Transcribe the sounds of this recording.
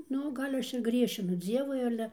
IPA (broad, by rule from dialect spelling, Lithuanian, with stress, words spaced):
ˈnʊ ˈɡɐlʲ ˈɐʃ ɪr ˈɡrʲiɛʃʲɪnʊ ˈd͡zʲiɛʋʊɪ ˈɑːlʲɛ